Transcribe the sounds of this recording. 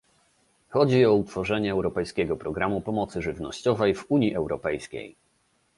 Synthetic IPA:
xɔd͡ʑiɔut̪fɔʐɛɲɛːwɾɔpɛjskʲɛɡɔpɾɔɡɾamupɔmɔt̪sɘʐɘvnɔ̰ɕt͡ɕɔvɛjvuɲiʔɛwɾɔpɛjskʲḛj

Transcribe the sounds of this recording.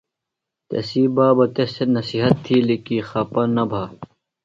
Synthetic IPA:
t̪ḛsiːbaːbɐt̪esenɐsiɦɐt̪ʰːiːlikixɐpɐnɐbʱaː

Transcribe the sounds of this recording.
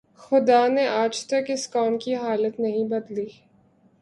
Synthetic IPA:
xʊd̪aneʔaːd͡ʒt̪ɐkɪskɔːnkiɦaːlət̪nɐɦĩbɐd̪liː

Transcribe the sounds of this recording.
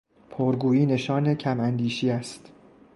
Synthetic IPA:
pʰoɾɡuːiːne̞ʃɒːnecʰæmænd̪iːʃiːæst̪

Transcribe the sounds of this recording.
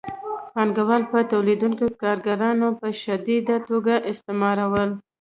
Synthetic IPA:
xɑnɡawɑlpət̪awlid̪uŋkokɑɾɡaɾɑnopəʃad̪id̪at̪oɡaʔɪst̪ɪmɑɾawəl

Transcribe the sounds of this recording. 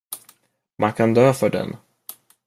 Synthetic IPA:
mʔankʰand̪øːfœɖɛ̰n

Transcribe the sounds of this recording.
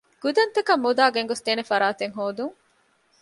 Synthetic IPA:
ɡ̥ud̪ɐnt̪ɐkɐmːud̪aːɡeŋɡost̪eːnefɐɾaːt̪eŋɦoːd̪uŋ

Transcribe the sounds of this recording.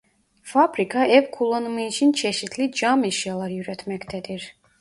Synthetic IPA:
fabɾikʰaɛvkʰulˠonɯmɯit͡ʃʰint͡ʃʰɛʃit̪ʰlid͡ʒamiʃjalˠɑɾjyɾɛt̪ʰmɛct̪ʰɛd̪iɾ

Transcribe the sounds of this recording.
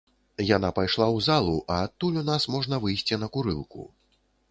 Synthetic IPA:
jan̪apajʂlˠawzalˠuʔɐːt̪ːulʲunasmɔʐnɐvɨjsʲt͡sʲinɐkuɾɨ̰lˠkṵ

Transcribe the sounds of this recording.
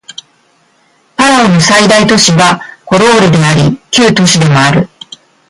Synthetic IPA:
paɾaonosaid̪ait̪o̞ɕiɡako̞ɾo̞ːɾɯd̪e̞aɾʲikʲɨːt̪o̞ɕid̪e̞moaɾɯ̟

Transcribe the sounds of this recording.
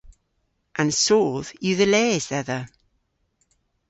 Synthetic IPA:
ʔə̃nsoːð̥jəðəlɛːzðɛðə

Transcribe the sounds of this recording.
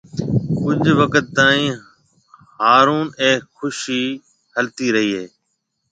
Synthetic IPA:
kʊɲd͡ʒʱʋəkət̪ːaːĩː | haːɾuːnẽːxʊʃiː | həlt̪iːɾəɦiːɦeː

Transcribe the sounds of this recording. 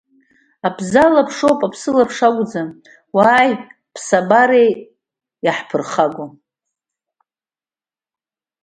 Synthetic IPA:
abʰzalapʰʂowpʼapʰsɨlapʰʂaɡʷd͡za | waːj | pʰsabaɾej | jaħpʰɨrχaɡʷo

